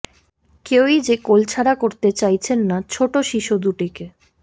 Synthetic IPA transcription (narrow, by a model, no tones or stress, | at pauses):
kewid͡ʑekolt͡ɕʰaɾakoɾt̪et͡ɕajt͡ɕʰenːat͡ɕʰoʈoʃiʃud̪uʈike